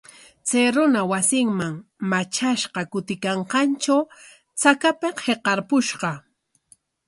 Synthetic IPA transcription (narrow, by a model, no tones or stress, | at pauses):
t͡sajɾʊnawasɪŋmaŋmat͡ʃaʃqɑkʊt̪ɪkɑɴqɑnt͡ʃaw | t͡sakapeqheqɑɾpʊʃɢɑ